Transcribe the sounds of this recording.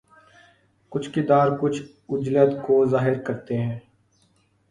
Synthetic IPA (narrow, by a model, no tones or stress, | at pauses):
kʊt͡ʃʰkɪd̪aːɾkʊt͡ʃʰ | ʊd͡ʒləd̪kozaːɦɪɾkəɾt̪eɦɛ̃ː